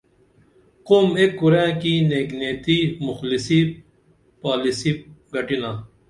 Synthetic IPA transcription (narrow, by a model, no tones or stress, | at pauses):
qoːmeːkːuɾẽːkineːɡneːt̪iːmʊxlisiː | paːlisiːɡɐʈinaː